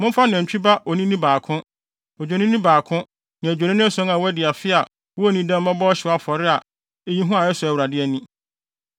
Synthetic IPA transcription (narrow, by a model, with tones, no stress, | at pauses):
mʊ̃˦m˦fa˦nɪ̃˨ɛ˨t͡ɕᶣi˦ba˦ʔɔ˨nĩ˦nĩ˦baː˨kʰʊ̃˦ | ɔ˨d͡ʑᶣo˨nɪ̃˦nĩ˦baː˨kʰʊ̃˦ | nã˨d͡ʑᶣe˨nɪ̃˦nɪ̃˦æ˦sɔ̃˦nã˨wɛ˦dɪ˨a˨fɪ˦a˨ | wɔ˦nĩ˦dã˦m˦mã˦bɔ˦ɔ˦ɕɪ˨a˦fɔ˨ɾɪ˦a˨ | e˦jĩ˦ɦʊ̃˦a˨jɛ˦sʊ˨ɛ˨wɾa˨dɪ˦ɛ˦nĩ˦